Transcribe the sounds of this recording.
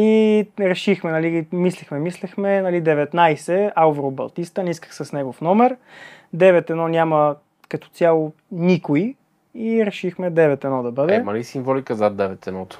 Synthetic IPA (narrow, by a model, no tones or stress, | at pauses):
iɾɛʃixmɛnɐlimislɛxmɛmislɛxmɛnɐlid̪ɛvɛt̪najsɛauvɾobɐ̰lˠt̪ist̪ənɛiskə̥xsɐsnɛɡʊfnɔmɛɾ | d̪ɛvɛt̪ɛnɔnʲamɐ | kɐt̪ɔ̥t̪ʲjalˠʊ | nikʊi | iɾɛʃixmɛd̪ɛvɛt̪ɛnɔd̪ɐbɤd̪ɛmɐlisiɱvɔlikəzat̪̚d̪ɛvɛt̪ɛnɔt̪ʊ̥